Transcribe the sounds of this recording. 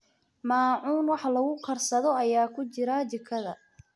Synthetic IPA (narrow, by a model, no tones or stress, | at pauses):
maːʕuːnwɑħlɐɣʊqɑrsɐðɔɐjaːkʰʊt͡ʃɪɾat͡ʃɪkʰɐðɐ